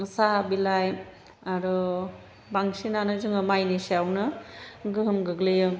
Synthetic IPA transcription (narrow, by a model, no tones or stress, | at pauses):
sabilaj | aɾu | baŋsinanɯzɯŋɯmajniseawnɯɡɯɦɯmɡɯɡlejɯ